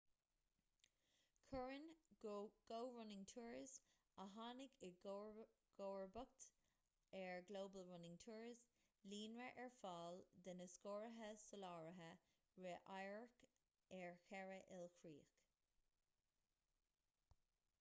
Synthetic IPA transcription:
kʰʊɹɪn | ɡ̥owɹʊnɪŋtʰuɹz | aɦanɪɡɪ | ɡ̥oːɹbʊk̚t̪ | ɛɹɡloːbəlɹʊnɪŋtʰuːɹz | liːnɹəʔɛɹfɑːld̪ənəskoːɹəɦəsəlɑːɹəɦə | ɹeʔajɹɹk | ɛɹxɛɹəʔɪlkʰɹiːk

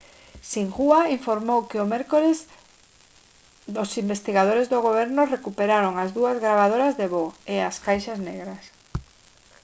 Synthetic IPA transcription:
siŋɣuaiɱfoɾmowkɪomɛɾkolez | ðosimbest̪iɣað̞oɾezðoɣoβ̞ɛɾnʊrekupeɾaɾoŋazðuɐzɣɾaβ̞aðoɾazðeβoeaskajʃazneɣɾas

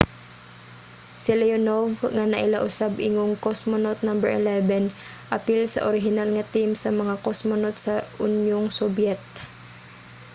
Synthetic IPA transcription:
silɛonovŋanɐʔilaʔʊsabʔɪŋoŋkosmonot̪̚nambɛɹʔɪ̰lɛvɛn | ʔɐpilsɐ̰ʔoɾɪɦɪnalŋɐt̪imsɐmɐŋakosmonot̪̚sɐʊnjʊŋsɔbjɛt̪̚

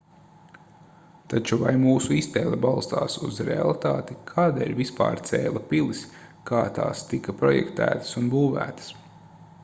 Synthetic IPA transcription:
t̪at͡ʃuvajmuːsuist̪ɛːlʲˠɐbalˠst̪a̰ːsṵzɾḛa̰lˠit̪aːt̪ikʰaːd̪eːlʲvispa̰ːɾt̪sɛːlˠɐpilˠis | kaːt̪a̰ːst̪ikapɾɔjɛ̰kt̪æ̰ːt̪ə̥sunbuːvæ̰ːt̪ə̥s

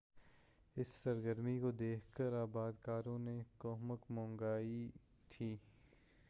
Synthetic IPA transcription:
ɪsːɐɾɡəɾmikod̪eːkʰkəɾaːbaːd̪kaːɾõnekɔːɦməkmɔ̃ːŋɡaːi | t̪ʰiː

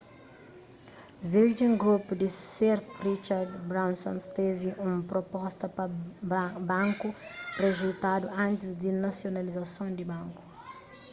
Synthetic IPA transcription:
ziɾd͡ʒĩŋɡɾupud̪iseɾrit͡ʃaɾd̪bɾãw̃sõ̰nst̪eviʔũmpɾopɔst̪ɐpɐ | bɐ̃ŋkurezut̪ad̪uʔɐ̃nt̪ɪzd̪inɐsionɐlizɐsõnd̪ibɐ̃ŋku̥

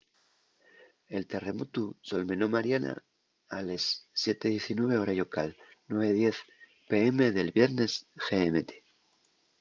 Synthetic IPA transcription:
e̞lt̪e̞re̞mot̪usolmẽ̞no̞maɾjana̰ | alesːje̞t̪eðje̞θinwe̞β̞eoɾajo̞kalnwe̞β̞eðje̞θ | pe̞eme̞ðe̞lβje̞ɾne̞sxeemet̪e̥

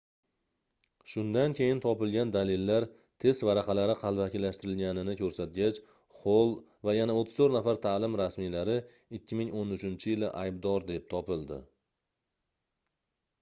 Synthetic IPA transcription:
ʃʊnd̪ankʲʰe̞jɪnt̪ʰɒpɪlɡʲand̪alɪlːaɾ | t̪ʰe̞st̪vaɾaqʰɑlaɾɪqʰɑlˠvakʲɪlːaʃt̪ɪɾɪlɡʲanɪnɪkʲʰɵɾsat̪̚ɡʲat͡ʃ | χolˠ | vajanaot̪ʰːɪ̥z̥t̪ʰɵɾt̪nafaɾt̪ʰalɪmɾasmijlaɾɪ | ɪkʲʰːɪmɪŋonʊt͡ʃʰɪnt͡ʃʰɪjɪlɪ̰ʔajb̚d̪ɒɾd̪e̞p̚t̪ʰɒpɪlˠd̪ɪ̰

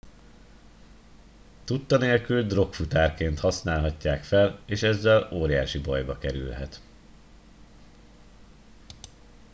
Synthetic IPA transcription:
t̪ut̪ːɒneːlkyld̪ro̞kfut̪aːrkeːnt̪hɒsnaːlɦɒcːaːkfɛleːʃɛzːɛloːɾija̰ːʃibɒjbɒkɛɾy̰lɦɛt̪

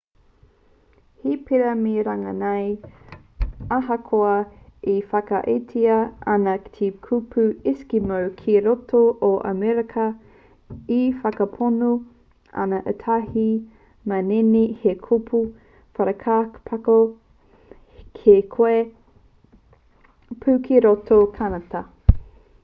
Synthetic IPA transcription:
hipʰiɾɐmeɾaŋɐnɐj | aɦɐkʰoɐifɐkɐʔetʰiɐɐnɐki̥tʰekʰupʰʉiskimawkʰeɾotoʔoʔɐ̰meɾɐkʰɐ | ifɐkɐpʰono | ɐ̰nɐʔətʰahi | mɐnenihekʰupʰu | fɐɾɐkʰaːkpʰɐko | kʰekʰoe | pʰʉkʰiɾotokʰanɐtɐ

